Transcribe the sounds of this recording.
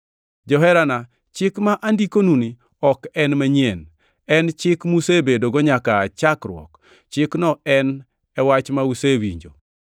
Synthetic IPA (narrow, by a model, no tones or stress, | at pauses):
d͡ʒɔɦɛɾana | t͡ʃɪkmaʔandikonuni | ɔkɛnmaɲien | ɛnt͡ʃɪkmusebedoɡɔɲakaːt͡ʃakɾwɔ̰k | t͡ʃɪknɔɛn | ɛwat͡ʃmausewḭɲd͡ʒo̰